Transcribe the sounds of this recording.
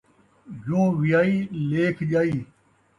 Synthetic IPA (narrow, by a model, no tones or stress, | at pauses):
jũːʋɪjaːiːleːkʰʄaːiː